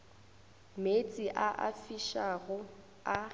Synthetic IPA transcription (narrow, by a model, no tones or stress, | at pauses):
met͡sʼiʔaʔa̰fiʃaɣʊ | a